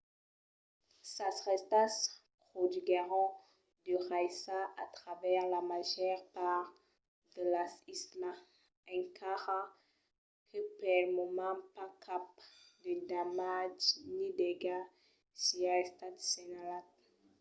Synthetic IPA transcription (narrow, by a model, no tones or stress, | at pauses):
sasʁɛst̪aspχɔd̪yɡeʁɔ̃ | d̪əʁajsaat̪χavɛʁlamaʒœʁpaʁ | d̪əlasisla | ɛ̃ŋkʰaʁa | kʰəpalmɔmɑ̃pakʰap̚d̪ed̪amad͡ʒnid̪eɡa | siast̪at̪senalat̪